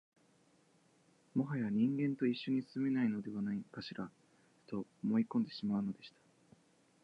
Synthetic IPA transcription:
mo̞ɦajβaɲ̟ĩŋɡẽ̞nt̪o̞iɕːo̞ɲ̟isɨ̥sɨme̞naino̞d̪e̞β̞anaikaɕiɾa | t̪o̞omo̞ikõnd̪e̞ɕimaɯ̟no̞d̪e̞ɕi̥t̪ḁ

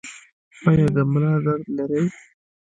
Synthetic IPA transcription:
ɑjɑd̪əmʊlɑd̪aɾd̪laɾəj

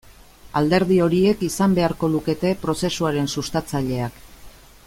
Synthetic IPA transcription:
ald̪e̞ɾðio̞ɾie̞kisambe̞aɾko̞luke̞t̪e̞pɾo̞se̞suaɾe̞nsust̪at͡saʎe̞ak

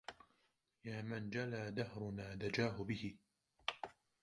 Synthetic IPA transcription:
jaːmand͡ʒalaːd̪ahɾʊnaːd̪ad͡ʒaːɦʊbɪhɪ

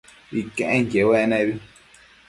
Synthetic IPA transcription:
ikẽʔẽŋkewenẽβi

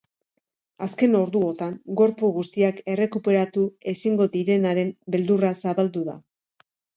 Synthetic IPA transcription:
aske̞no̞ɾðuo̞t̪aŋɡo̞ɾpuɣ̞ust̪iake̞re̞kupe̞ɾat̪ue̞siŋɡo̞ðiɾe̞naɾe̞mbe̞ld̪urasaβald̪uða̰

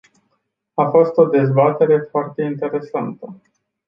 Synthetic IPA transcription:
afo̞st̪o̞d̪e̞zbat̪e̞ɾe̞foart̪e̞int̪e̞ɾe̞sant̪ə

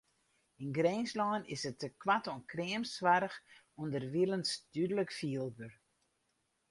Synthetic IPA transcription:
inɡreːnslɔːnɪsətəkwatonkrɪəmsʋarəx | undərʋilənsd̥ydələkfiəlˠbør

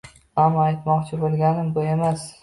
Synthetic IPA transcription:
hamajt̪mɒqt͡ʃʰɪbolˠɡʲanɪmbʊe̞mas

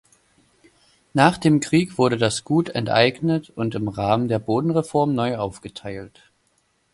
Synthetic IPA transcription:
naːχd̥eːmkʁ̥iːkv̥ʊɐɾədasɡ̥uːtɛ̰ntʔa̰ɪɡnətʊntɪmʁaːməndeːɐboːdn̩ʁefɔɐmnɔʏʔaʊfɡ̥ətʰaɪlt

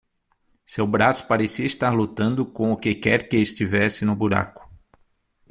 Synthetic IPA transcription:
sewbɾasʊ̥paɾesiɐist̪aɾlut̪ɐ̃nd̪ʊkõʊkɪkɛɾkɪːst͡ʃ̪ivɛsɪnʊbuɾa̰kʊ̥

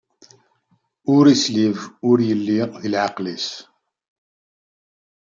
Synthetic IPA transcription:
ʊɾislivʊɾjəlːiðilʕɑqlis

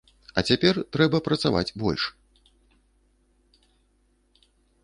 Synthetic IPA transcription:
ɐt͡sʲapʲɛrt̪ɾɛbɐpɾɐt̪sava̰d͡zʲbɔ̰lʲʂ

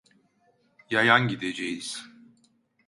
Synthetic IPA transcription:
jajanɟid̪ed͡ʒejiz̥

